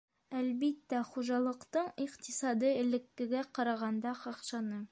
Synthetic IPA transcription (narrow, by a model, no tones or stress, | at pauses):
ælbit̪ːæχuʒɑlˠɤ̆qt̪ɤɴiqt̪isɑd̪ɤɘ̆lɘ̆kːɘ̆ɡæqɑɾɑʁɑnd̪ɑqɑqʃɑnɤ